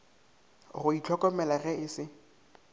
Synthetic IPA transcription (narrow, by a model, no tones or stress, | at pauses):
ɣʊit͡ɬʰɔkɔmɛlaɣɛɪsɪ